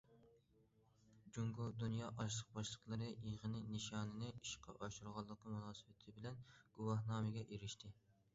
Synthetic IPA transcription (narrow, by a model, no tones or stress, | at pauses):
d͡ʒuŋɡud̪unjɑːʔɑʃlˠəq̚bɑʃlˠəqlˠɨɾɨjeʁənɨnɨʃɑːnɨnɨiʃqʰɑ̰ʔɑʃuɾʁɑlˠːəqːəmunɑːsɨbɛt̪ʰːɪbɪlɛnɡ̥uwɑhnɑːmɪɡʲɛʔeɾɪʃt̪ʰɪ